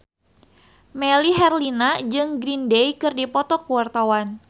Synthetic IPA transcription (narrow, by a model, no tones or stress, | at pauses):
meliɦɛrlinad͡ʒɨŋɡɾindejkɨrdipɔt̪ɔkuwart̪awan